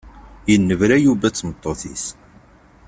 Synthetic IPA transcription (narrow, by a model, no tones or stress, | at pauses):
jənːəvɾæjuvæt͡sːmət̪ˤːoθis